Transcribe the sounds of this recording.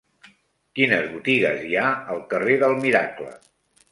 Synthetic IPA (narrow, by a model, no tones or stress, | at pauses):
kinəzβut̪iɣəziaəlˠkəreðəlˠmiɾa̰klə̰